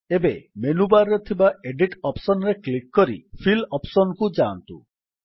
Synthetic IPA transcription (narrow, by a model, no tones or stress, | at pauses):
ebemenubaɾːɔt̪ʰibaʔeɖiʈɔpsɔnɾeklikːɔɾḭpʰilɔpsɔnkud͡ʒaːnt̪ṵ